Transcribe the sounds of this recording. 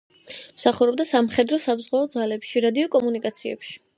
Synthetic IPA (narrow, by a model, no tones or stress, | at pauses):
msaχuɾɔb̚d̪asamχɛd̪ɾɔsabzʁwaɔd̪zalɛpʃiɾad̪iɔkʼɔmunikʼat̪sʰiɛ̰pʃi̥